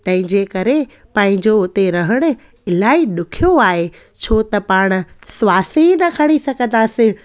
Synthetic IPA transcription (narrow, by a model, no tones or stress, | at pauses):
t̪ɐ̃ɦɪ̃ɲd͡ʑekɐɾe | pɐ̃ːɦɪ̃ɲd͡ʑoʊt̪eɾɐɦəɽ̃ʊ̆ | ɪlaːiɗʊkʰijoaːɦe | t͡ɕʰoːt̪ɐpaːɽ̃ʊ̆sʊwaːsinɐkʰɐɽ̃isɐɡʱə̃nd̪aːsɪ̃